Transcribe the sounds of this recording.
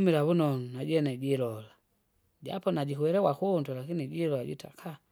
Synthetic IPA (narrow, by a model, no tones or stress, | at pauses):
miɾaβunɔnunaɟɛnɛɟilɔla | ɟa̰pɔnaɟikuwɛɾɛwakundwalakiniɟilɔlaɟḭta̰kʰa